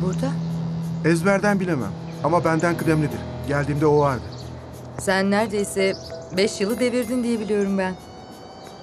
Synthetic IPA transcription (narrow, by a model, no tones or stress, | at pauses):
buɾd̪a | ɛzbæɾd̪ænbilʲemæ̰m | amabænd̪ænkɯd̪ɛmlʲid̪iɾ̥ɟælʲd̪iːmd̪ɛovaɾd̪ɯ | sænːæɾd̪e̞jsɛbɛʃjɯlˠɯd̪e̞viɾd̪ind̪ije̞bilʲijo̞ɾumbæn